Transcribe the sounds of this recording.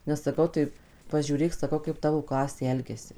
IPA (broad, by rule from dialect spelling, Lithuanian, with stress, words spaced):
nʲɛs sɐˈkɐʊ tɐɪ pɐˈʒʲuːrʲeːk sɐˈkɐʊ kɐɪp ˈtɑːʋoː ˈklˠɑːsʲeː ˈɛlʲɡʲɛsʲɪ